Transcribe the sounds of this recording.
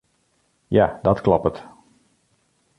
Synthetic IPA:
jadɔtklɔpət

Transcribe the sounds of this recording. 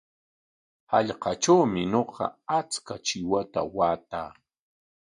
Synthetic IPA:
hɑʎqɑt͡ʃawmɪɲoqɑ̰at͡skat͡ʃɪwat̪a̰waːt̪aː

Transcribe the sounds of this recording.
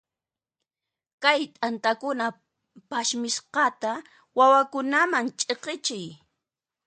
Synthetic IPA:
kajt̪ʼant̪akʊna | paʃmɪsqɑt̪a | wawakʊnamaŋt͡ʃʼeqɪt͡ʃɪj

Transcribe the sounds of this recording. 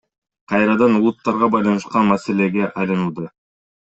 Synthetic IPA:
qʰɑjɾɑd̪ɑnulˠut̪ːɑɾʁɑbɑjlˠɑnɯʃqɑnmasele̞ɡe̞ʔɑjlɯnɯlˠd̪ɯ

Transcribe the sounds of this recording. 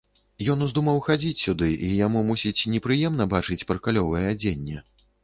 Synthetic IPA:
jɔnuzd̪umɐwxad͡zʲit͡sʲsʲud̪ɨʔijamumusʲit͡sʲnʲɛpɾɨjɛmnɐbat͡ʂɨt͡sʲpɐɾkalʲɔvɐjɛad͡zʲenʲːɛ

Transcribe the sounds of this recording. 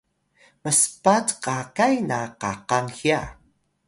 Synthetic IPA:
məspatqakajnaqa̰qaŋxia

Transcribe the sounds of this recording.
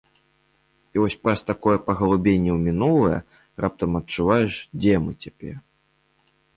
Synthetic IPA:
ivɔsʲpɾɐst̪akɔjɛpɐɣɐlˠubʲenʲːɛwmʲinulˠɐjɐ̰ | rap̚t̪ɐmɐtt͡ʂːuvajɛʂd͡zʲɛmɨt͡sʲapʲɛr

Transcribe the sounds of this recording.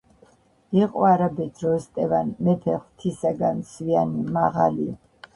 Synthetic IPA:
iqʼɔaɾabɛd̪ɾɔst̪ʼɛvanmɛpʰɛχt̪ʰisaɡansvianimaʁa̰li

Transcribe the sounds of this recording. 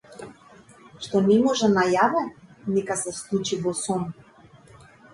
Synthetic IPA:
ʃt̪ɔnɛmɔʒɛnajavɛnɛkasɛslˠut͡ʃivɔsɔm

